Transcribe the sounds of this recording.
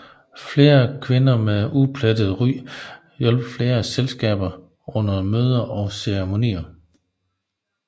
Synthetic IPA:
fle̝ːɐkʰʋe̝nɐmeupʰlæd̥əð̩ˠʁy̰ː | jɔlb̥fle̝ːɐselsɡ̥ɛ̰ːb̥ɐ | ʔɔ̽n̰ɐmøːð̞ˠɐʔɒ̽seʁemo̝nḭːɐ

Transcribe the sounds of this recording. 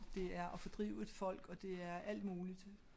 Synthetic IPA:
d̥e̝æɐʔɒ̽fɒd̥ʁḭːʊ̰e̝d̥fɒ̽l̰ɡ̥ɒ̽d̥e̝æɐæl̰d̥muːlid̥

